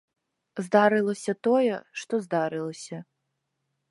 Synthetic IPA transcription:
zd̪aɾɨlˠɐsʲɐt̪ɔjɛʂt̪ɔzd̪aɾɨlˠɐsʲɐ

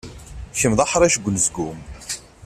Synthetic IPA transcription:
çəmðˤɑħɾˤæʃɡʷːənzɡum

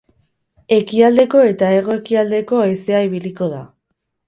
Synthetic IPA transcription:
e̞kiald̪e̞ko̞e̞t̪ae̞ɣ̞o̞ekiald̪e̞ko̞ajse̞aiβ̞iliko̞ða

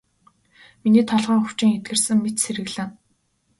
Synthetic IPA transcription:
miniːt̪ʰɔɮʁœːxu̥t͡ɕɪ̆ŋet̪̚ɡɘ̆rsɘ̆ŋmet̪seɾɘ̆ɣɮɘ̆ŋ

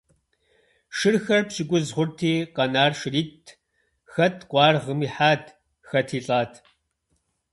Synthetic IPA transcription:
ʃɨrxɐrpɕɪkʷʼʊzχʷʊrtʰiːqɐnaːrʃɪriːtʰ | xɐtʰqʷʼɑːrʁəmiːħaːtʰ | xɐtʰiːɬʼaːtʰ

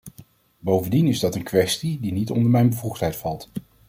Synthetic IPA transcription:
bowvəndinɪzdɑtənkʋɛstidinitɔ̰ndəɹmɛjnbəvuχtɦɛjtfɑlˠt

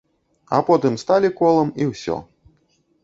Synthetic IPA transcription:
ɐ̰pɔt̪ɨmst̪alʲikɔlˠɐmiwsʲɔ̰

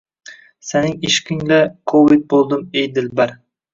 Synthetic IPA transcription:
senɪŋɪʃkʲɪŋlakʰovɪt̪̚bolˠd̪ɪmejd̪ɪlbaɾ

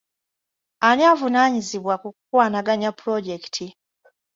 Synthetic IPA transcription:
aniavunaɲiziβwakukukwaːnaɡaɲapɾoɟektʰi

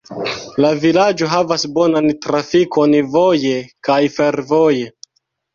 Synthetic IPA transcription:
lavilad͡ʒo̞ɦavasbo̞nantɾafiko̞nvoje̞kajfe̞ɾvo̞je̞

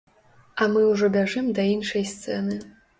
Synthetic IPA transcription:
amɨuʐɔbʲaʐɨmd̪ɐinʂɐjst̪sḛnɨ

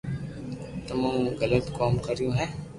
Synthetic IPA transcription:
t̪ɐmãːmɣɐlət̪kɔːmkɐɾijõɦɛː

